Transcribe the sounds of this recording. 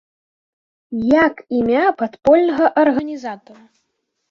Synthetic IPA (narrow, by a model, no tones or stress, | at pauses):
jakimʲapat̪pɔlʲnɐɣɐʔɐrɣɐnʲizat̪ɔɾɐ